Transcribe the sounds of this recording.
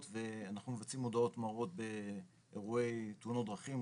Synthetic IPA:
t̪ve̞anaχnumevat͡simːo̞d̪ao̞t̪maʁo̞t̪̚be̞ | eʁue̞jt̪unod̪ʁaχim

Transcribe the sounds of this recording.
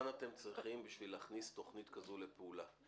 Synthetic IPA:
nat̪e̞mt͡sʁiχimbiʃvileaχnist̪o̞χnit̪kazulepeula

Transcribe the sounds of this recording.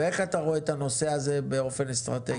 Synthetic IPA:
e̞χat̪aʁoet̪ano̞se̞aze̞beo̞fe̞nest̪ʁat̪e

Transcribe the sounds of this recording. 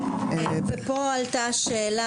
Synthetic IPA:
pepɔalt̪aʃɛːla

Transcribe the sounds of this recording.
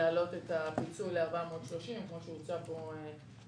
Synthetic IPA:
aalo̞t̪e̞tapit͡suleaʁbamot̪ʃloʃimkmoʃeut͡sapoe

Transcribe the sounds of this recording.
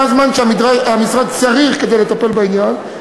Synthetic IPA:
azmanʃeaid̪ʁaamisʁad̪̚t͡saʁiχked̪ejlet̪ape̞lbainjan

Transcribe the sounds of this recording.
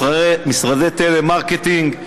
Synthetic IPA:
misʁad̪et̪elemaʁket̪iŋɡ

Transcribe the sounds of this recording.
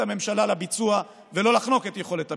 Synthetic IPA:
ame̞mʃalalabit͡sua | velo̞laχno̞ketjeχo̞le̞ta

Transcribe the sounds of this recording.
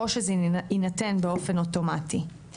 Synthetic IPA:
oʃezinatenbeo̞fe̞no̞to̞mati

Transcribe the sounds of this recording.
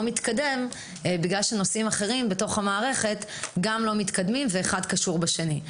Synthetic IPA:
omit̪kade̞m | biɡlalʃeno̞simaχe̞ʁimbeto̞χhamaːʁe̞χe̞t̪ɡamlo̞mit̪kad̪mimveːχad̪kaʃuʁbaʃe̞ni

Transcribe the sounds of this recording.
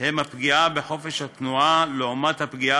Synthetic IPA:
hemapɡiabeħo̞feʃhat̪nualeomat̪hapɡia

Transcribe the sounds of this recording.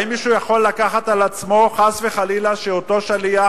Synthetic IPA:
imiʃujaχo̞lːakaχat̪alat͡smo̞χasveχalilaʃeot̪o̞ʃalia

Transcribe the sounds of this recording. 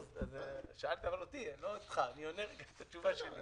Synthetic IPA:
zazeʃaalt̪iavalot̪ieloit̪χanioneʁɡamet̪at͡ʃuvaʃelḭ

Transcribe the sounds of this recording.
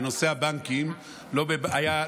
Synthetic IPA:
no̞seabaŋkim | lo̞bebaja

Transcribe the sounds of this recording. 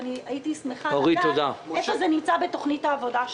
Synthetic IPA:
niaitismeχaoʁit̪od̪aefozenimt͡sabet̪oχnithaːvo̞daʃ

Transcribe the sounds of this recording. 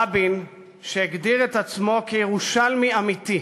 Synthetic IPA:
abin | ʃeeɡd̪iʁet̪at͡smo̞kejeʁuʃalmiamit̪i

